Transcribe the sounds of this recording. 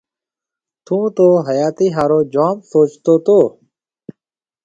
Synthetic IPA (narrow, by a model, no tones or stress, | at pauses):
t̪ũːt̪oːɦəjaːt̪iːɦaːɾoːd͡ʒaːmsoːt͡ʃt̪oːt̪oː